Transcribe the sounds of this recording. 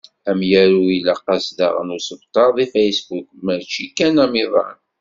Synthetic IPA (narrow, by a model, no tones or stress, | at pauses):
æmjæɾuilɑqːɑsd̪ɑ̰ʁə̰nusəbt̪ˤɑðˤifæjsbukməɾt͡ʃikːænamiðˤɑ̰n